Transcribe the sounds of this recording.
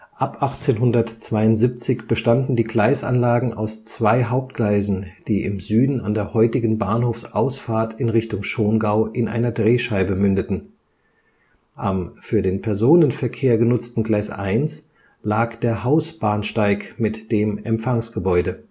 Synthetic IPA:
ʔapʔaχt͡seːnɦʊndɐtt͡sv̥aɪʊntz̥iːp̚t͡sɪçb̥əʃtandn̩diːɡlaɪsʔa̰nlaːɡŋ̩a̰ʊst͡sv̥aɪɦaʊp̚t̚ɡ̥laɪzn̩d̥iːʔɪ̰mzyːdn̩a̰ndeːɐhɔʏtɪɡn̩baːɐnhoːfsʔaʊsfaːɐtʰɪnʁɪçtʊŋʃoːnɡaʊʔɪnʔa̰ɪnɐdʁeːʃaɪbəmʏndətn̩ | ʔamfyːɐdeːnpʰɛɐzoːnənfɛɐkʰeːɐɡənʊt͡stn̩ɡlaɪsʔa̰ɪns | laːkd̥eːɐhaʊsb̥aːnʃtaɪkmɪtd̥eːmɛ̰mpfaŋsɡ̥əbɔʏdə

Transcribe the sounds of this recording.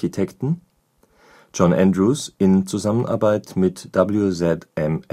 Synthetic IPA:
itʰɛktn̩ | d͡ʒɔnʔæ̰̃ndʁuːsɪnt͡suzamənʔa̰ɐbaɪtmɪtd̥abl̩juzɛtʔɛm

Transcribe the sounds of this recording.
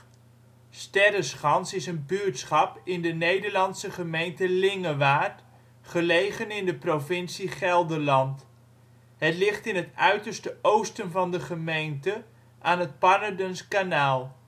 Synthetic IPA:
stɛrəsχɑnsɪsənbyɹtsχɑpɪndənejdəɹlɑnsəχəmejntəlɪŋəʋaːɹt | χəlejχənɪndəprovɪnsiχɛlˠdəlɑnt | ɦətlɪχtɪnɦətœɥtəɹstəʔowstənvɑndəχəmejntə | ʔaːnɦət̚pɑnədənskanaːlˠ

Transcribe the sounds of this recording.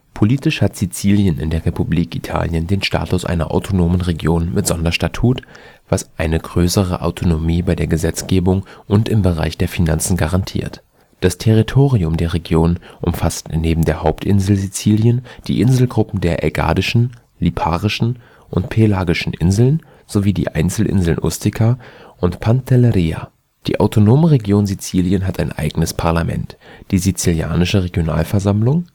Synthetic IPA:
pʰoliːtɪʃhatz̥it͡siːljənɪ̰ndeːɐʁepubliːkitʰa̰ːljəndeːnʃta̰ːtʊsʔa̰ɪnɐ̰ʔa̰ʊtʰonoːmənʁeɡjoːnmɪtz̥ɔndɐʃtatʰuːt | v̥asʔaɪnəɡʁøːsəʁə̰ʔa̰ʊtʰonomiːbaɪdeːɐɡəzɛt͡sɡ̥eːbʊŋʔʊntɪmbəʁa̰ɪçd̥eːɐfinant͡sn̩ɡaʁantʰḭːɐt | d̥astʰɛʁitʰoːʁiʊmdeːɐʁeɡjoːnʔʊmfastneːbm̩deːɐhaʊptʔɪnzl̩zit͡siːljənd̥ḭːʔɪnzl̩ɡʁʊpm̩deːɐʔɛ̰ɡa̰ːdɪʃn̩ | lipʰaːʁɪʃn̩ | ʔʊntpʰelaːɡɪʃn̩ʔɪ̰nzl̩n | z̥oviːdḭːʔa̰ɪnt͡sl̩ʔɪ̰nzl̩nʔʊ̰stʰɪkʰaʔʊntpʰantʰɛlɛʁiːa̰ | d̥ḭːʔaʊtʰonoːmənʁeɡjoːnzit͡siːljənɦataɪnʔa̰ɪɡənəspʰaɐlamɛ̰ntd̥iːzit͡silja̰ːnɪʃəʁeɡjona̰ːlfɛɐzamlʊŋ

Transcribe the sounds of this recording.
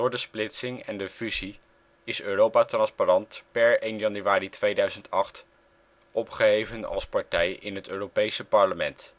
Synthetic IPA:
dʊːɹdəsplɪtsɪŋɛ̰ndəfyzi | ɪsøːrowpaːtrɑnsparɑntpɛɹejnjɑnyʋaːritʋejdœɥzəntɑχt | ɔpχəɦejvənɑ̰lˠspɑɹtɛjɪnɦətøːrowpejsəpɑɹləmɛnt

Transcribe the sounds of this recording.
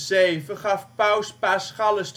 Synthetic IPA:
zejvəχɑfpœwspasχɑləst

